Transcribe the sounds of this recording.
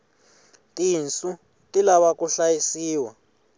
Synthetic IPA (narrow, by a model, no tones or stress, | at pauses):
tʼint͡sʼu | tʼilaβakʼuɬajisiːwa